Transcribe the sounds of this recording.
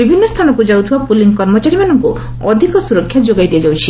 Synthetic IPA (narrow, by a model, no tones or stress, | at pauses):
ibʱinːɔst̪ʰanɔkud͡ʒawt̪ʰibapuliŋkɔɾmɔt͡ʃaɾimanɔŋku | ɔ̰d̪ʱikɔsuɾɔkʰːjad͡ʒoɡajd̪iɛd͡ʒawt͡ʃʰi